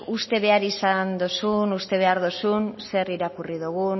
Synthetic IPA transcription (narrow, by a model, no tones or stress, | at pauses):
ust̪e̞βe̞aɾisand̪osunust̪e̞β̞e̞aɾðosunse̞riɾakuriðuɣu